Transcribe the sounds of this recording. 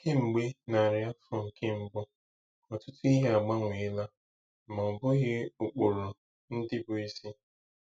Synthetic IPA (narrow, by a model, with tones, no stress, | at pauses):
kɪ˦ŋ͡m̩˨ɡ͡be˦na˨ɾja˦fʊ˨ŋ̩˨kʰɪ˦m̩˨bʊ˦ | ɔ˨tʊ˦tʊ˦i˦ɦe˦a˨ɡ͡ba˦ŋʷe˨ɪ˦la˦ | mɔ˨bʊ˦ɣɪ˦ʊ˨k͡po˨ɾo˨ | n̩˦dɪ˦bʊ˨i˦si˦